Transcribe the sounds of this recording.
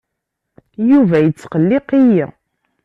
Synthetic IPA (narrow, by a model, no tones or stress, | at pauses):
juvæjət͡sːqəlːɪqiji